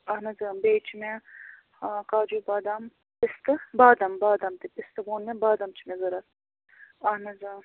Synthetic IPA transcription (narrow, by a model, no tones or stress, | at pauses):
ɐɦnɐzɐbeːt͡ʃʰime | kaːd͡ʒuːbaːd̪am | pɪst̪ɨbaːd̪ɐmbaːd̪ɐmt̪ipist̪ɨɡoːnmẽbaːd̪ɐmt͡ʃʰimẽzɐɾɐt̪ | ɐnɐzɐ